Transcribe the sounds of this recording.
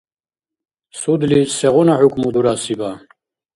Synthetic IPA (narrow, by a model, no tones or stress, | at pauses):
sud̪lisɛʁɔnaħukʷʰmud̪uɾasiba